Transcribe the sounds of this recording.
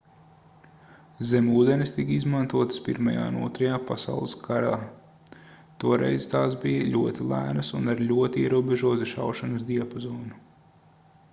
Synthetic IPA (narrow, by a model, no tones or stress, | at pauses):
zemuːd̪ɛnist̪ikizmant̪uɔt̪spiɾmaja̰ːṵnṵɔt̪ɾɐjaːpasa̰ʊwlˠɨskʰaɾaː | t̪uɔɾʔɛ̰jzt̪aːsbijɐʎʲuɔt̪ilˠæ̰ːnɐsunaɾlʲuɔt̪iiɛɾuɔbeʒuɔt̪iʃa̰wʃanɐsd̪iapɔzɔːnu